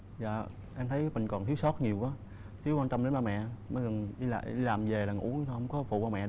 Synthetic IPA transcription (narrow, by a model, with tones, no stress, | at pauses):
za̰ː˧˨ | ʔɛ˧mt̪ʰə˨˦jmï˨˩ŋ̟kɔ˨˩nt̪i˨˦wsɔ˦˥t̚ɲi˨˩əwaː˨˦ | t̪ʰi˨˦wkwaː˧t͡ɕɔ˧mɗe˨˦nmaː˧mɛ̰˧˨mɔ˨˦ɣə˨˩nʔi˧la̰ː˧˨ʔḭ˧laː˨˩mve˨˩laː˨˩ŋṵ˧˥˧hə˧wŋ͡mkɔ˨˦fṵ˧˨vaː˧˩mɛ̰˧˨